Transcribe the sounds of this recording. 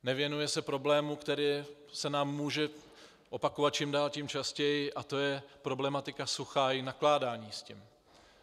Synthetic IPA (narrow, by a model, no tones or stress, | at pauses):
nɛvɪjɛnujɛsɛpɾo̞blɛːmukt̪ɛɾiː | sɛnaːmːuːʒɛ | ʔo̞pakovat̪̚t͡ʃiːmdaːlcimt͡ʃascɛjɪʔat̪o̞jɛpɾo̞blɛmat̪ɪkasuxaːjɪnaklaːdaːɲiːscim